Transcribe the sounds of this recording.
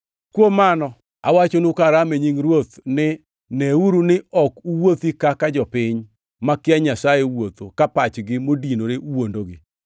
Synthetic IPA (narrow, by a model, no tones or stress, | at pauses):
kwomanɔ | awat͡ʃonukaɾameɲiŋɾwot̪nɪ | neuɾunɪɔkuwot̪ikakad͡ʒɔpɪɲ | makɪaɲasajewot̪okapat͡ʃɡɪmodinoɾeuwondoɡɪ